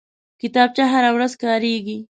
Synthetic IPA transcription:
kɪt̪ɑːb̚t͡ʃaɦaɾawɾazkɑːɾeɡi

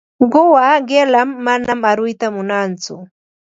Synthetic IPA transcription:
ɢowaɢelamːanamaɾʊjt̪amʊnant͡sʊ̰

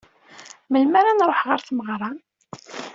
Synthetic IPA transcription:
məlmaɾanɾˤoħʁəɾθməʁɾˤɑn

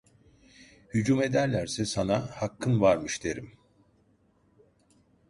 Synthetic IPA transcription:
hyd͡ʒume̞d̪æɾlʲæɾsɛsanahakʰːɯnvaɾmɯʃd̪e̞ɾim

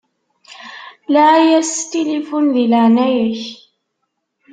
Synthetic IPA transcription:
laːjast̪alɪflɪlanajɾɪh

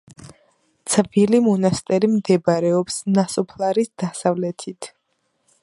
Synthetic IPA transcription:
t̪sʰʼvilimɔnast̪ʼɛɾimd̪ɛbaɾɛɔpsnasɔpʰlˠaɾisd̪̥asavlɛt̪ʰit̪ʰ

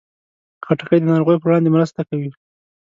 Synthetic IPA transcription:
xaʈaxəjd̪ənɑɾoɣəjopəwɽɑnd̪emɾəst̪akawi

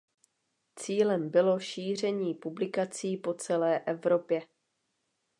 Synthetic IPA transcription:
t͡siːlɛmbɪlo̞ʃiːr̝ɛɲiːpublɪkat͡siːpo̞t͡sɛlɛːʔɛvɾo̞pjɛ

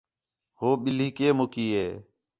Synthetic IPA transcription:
hoːɓɪliːkeːmokiːɦeː

